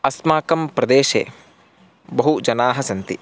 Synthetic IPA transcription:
ɐsmaːkɐmpɾɐd̪eːʃḛː | bɐɦud͡ʒɐnaːɦɐsɐnt̪ḭ

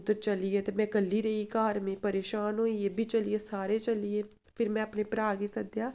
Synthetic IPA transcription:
d̪əɾt͡ʃəlieːt̪eːmɛ̃ːkəlːiːɾəiːkaːɾmẽːpəɾeːʃaːnɦoːieːbʱiːt͡ʃəlieːsaːɾeːt͡ʃəlieː | pʰɪɾmɛ̃ːəpneːpɾaːɡisəd̪jaː

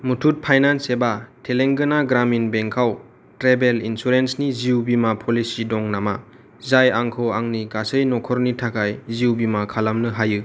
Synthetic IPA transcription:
mutʰut̚pʰajnansebatʰeleŋɡɯnaɡɾaminbeŋkʰaw | tɾebelinsuɾensniziubimapʰɔlisidɔŋnama | zajaŋkʰɔwaŋniɡasɯjnɔkʰɔɾnitʰakʰajziuwbimakʰalamnɯɦajɯ

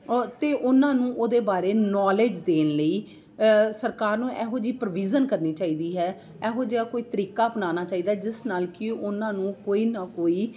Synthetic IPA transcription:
t̪eːʔʊnãːnũːʔoːd̪eːbaːɾeːnɔːleːd͡ʒd̪eːnləiː | səɾkaːɾnũːʔɛːɦoːd͡ʒiːpəɾʋiːd͡ʒənkəɾniːt͡ʃaːiːd̪iːɦɛː | ɛːɦoːd͡ʒeːaːkoːiːt̪əɾiːkaːbənaːnaːt͡ʃaːiːd̪aːd͡ʒɪsnaːlkɪʊnãːnũːkoːiːnaːkoːiː

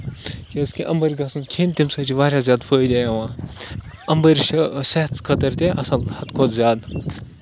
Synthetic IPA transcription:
keskʲiʔɐmbɐɾʲɡɐsɨnkʰiːnt̪imsɐt͡ʃʰiʋaːɾʲaːzʲjaːd̪fʰəːjd̪ʲaːjɐʋãː | ɐmbɐɾʲʃʰiseɦt̪kʰɐt̪ɐɾt̪ʲeʔɐsɐlhɐt̪kʰod̪zʲjaːd̪

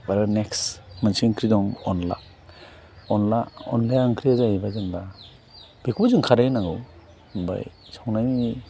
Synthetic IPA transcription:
waɾaneksmansiŋkʰɾidɔŋɔnla̰ | ɔnlaɔ̰nlajaŋkʰɾiazabazɯŋba | b̥ekʰbazɯŋkʰaɾajnaŋɯw | ba̰j | sawnajni

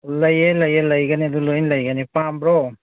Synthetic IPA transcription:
lɐjelɐjelɐjɡanid̪ulojnlɐjɡanipambɾɔ

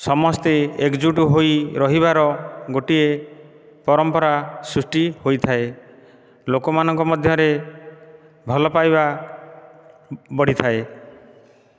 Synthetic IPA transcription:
sɔmɔst̪eekd͡ʒuʈuɦoiɾɔɦiβaɾɔɡoʈie | pɔɾɔmpɔɾasɾusʈihojt̪ʰae | lokɔmanɔŋkɔmɔd̪ʱjɔɾe | bʱɔlɔpajba | bɔɽ̤it̪ʰae

